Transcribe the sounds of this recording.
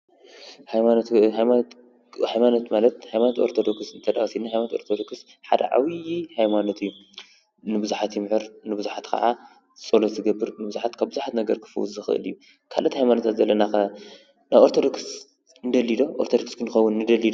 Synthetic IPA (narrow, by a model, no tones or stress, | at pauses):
hajmanot̪hajmat̪ | hajmanot̪malɐt̪hajmanot̪o̞̰ɾt̪ʰod̪okssɨnt̪ʰɐd̪axsinːahajmanot̪o̞ɾt̪ʰod̪o̞ks | ħad̪ɐ̰ʕa̰wijihajmanot̪ʰɨjːu | nɨbɨzuħat̪ʰjmɨħɨɾnɨbɨzuħat̪kʰɐ̰ʕa | t͡sʼolozɨɡɐbːɨɾnɨbɨzuħat̪kʰabbɨzuħat̪nɐɡɐɾkʰɨ̥fɨ̰wṵzɨxɨ̰ʔɨ̰lɨjːu | kʰa̰lʔɐt̪ihajmanot̪ʰat̪zɐlːɐnaxɐ | naβoɾt̪ʰod̪o̞ks | nɨd̪ɐlːid̪o̞ʔoɾt̪ʰod̪okskʰɨnɨxɐwːʊnːɨd̪ɐlːid̪o